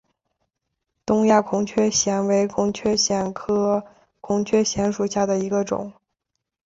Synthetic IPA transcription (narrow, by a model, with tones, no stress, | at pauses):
t̪ʊ˥ŋja˥˩kʰʊ˧˥ŋt͡ɕʰɥɛ˥ɕjɛ˧˥nwe˧˥ɪkʰʊ˧˥ŋt͡ɕʰɥɛ˥ɕjɛ˧˥˩nkʰɤ˥ | kʰʊ˧˥ŋt͡ɕʰɥɛ˥ɕjɛ˧˥nʂu˨˩ɕja˥˩d̪ə˩i˧˥ɡə˧ʈ͡ʂʊ̰˨˩˦ŋ